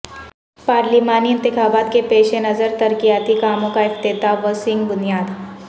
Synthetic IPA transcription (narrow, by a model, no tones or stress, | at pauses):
paːɾlimaːniɪ̃nt̪ɪxaːbaːt̪kepeːʃenɐzəɾt̪ɐɾkijaːt̪ikaːmõkaɪft̪ɪt̪aʋəsɪ̃ŋɡbʊnijaːd̪